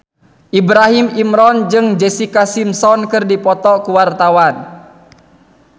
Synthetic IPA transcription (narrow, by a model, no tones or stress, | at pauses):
ʔibɾaɦimimɾɔnd͡ʒɨŋd͡ʒɛsikasimsɔnkɨrdipɔt̪ɔkuwart̪awan